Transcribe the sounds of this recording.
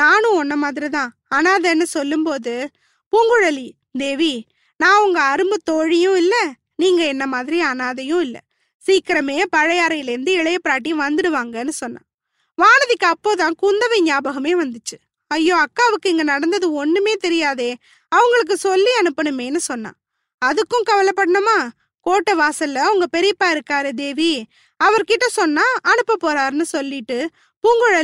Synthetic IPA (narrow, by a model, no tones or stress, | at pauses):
naːnʊ̃ɔnːɐmaːðɪɾit̪ãː | ɐnaːðɐnːɯsɔlːɯmpoːðɯ | puŋɡɯɻɐli | d̪eːʋi | nãːɐʋɐŋɡɐɐɾɯmbɯt̪ɔɻijʊ̃ɪlːɐ | niːŋɡɐɛnːɐmaːðɪɾiɐnaːðɐjʊ̃ɪlːɐ̰ | siːkɪɾɐmeːpɐɻɐjaːɾɐjɪlɪɾɯnd̪ɯɪɭɐjɐpːɪɾaːʈ̬ːiʋɐnd̪ɪɽɯʋaːŋɡɐnːɯsɔnːã̰ː | ʋaːnɐðɪkːɯɐpːoːt̪̬ãːkʊnd̪ɐʋɐɪɲaːbɐɣɐmeːʋɐnd̪ɯt͡ʃːɯ̥ | ɐjːoːɐkːaːɐʋɯkːɯɛŋɡɐnɐɽɐnd̪ɐðɯɔnːɯmeːt̪ɛɾɪjaːðeː | ɐʋɐŋɡɐɭɯk̬ːɯsɔlːiɐnɯpːɐɳɯmeːnːɯsɔnːã̰ː | ɐðɯkːʊ̃kɐʋɐlɐpːɐɽɐɳɯmaː | koːʈːɐʋaːsɐlːɐɐʋɐŋɡɐpɛɾɪpːaːɪɾɯkːaːɾɯd̪eːʋi | ɐʋɐɾkɪʈːɐsɔnːaːʔɐɳɯpːɐpːoːɾaːɾnːɯsɔlːɪʈːɯ | puːŋɡɯɻɐ